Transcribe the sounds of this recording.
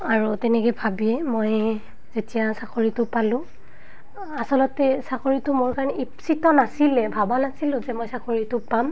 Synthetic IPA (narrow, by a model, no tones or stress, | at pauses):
aɹutɛnɛkɔjbʱabiɛmoj | zetijasakoɹitʊpalʊ̃ | asɔlɔtɛsakoɹitʊmoɹkaɹɔnɛipsitɔnasilɛbʱabanasilʊ̃zɛmojsakoɹitʊpam